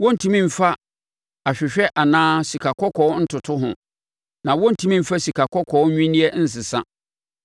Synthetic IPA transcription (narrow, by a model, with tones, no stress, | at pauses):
wɔ̃˦n̩˨tʰũ˦mĩ˦˨m̩˨fa˦ | a˨ɕᶣɪ˨ɕᶣɛ˦ʔa˨nãː˦si˨kʰa˨kʰɔ˦kʰɔ˨˦n̩˦tʰʊ˨tʰʊ˦ɦʊ̃˨ | nã˨wɔ̃˦n̩˦tʰũ˦mĩ˦m̩˨fa˦si˨kʰa˨kʰɔ˦kʰɔ˨˦ɲᶣĩ˦nĩ˦ɛ˦n̩˦s̬ɪ˨sã̰˦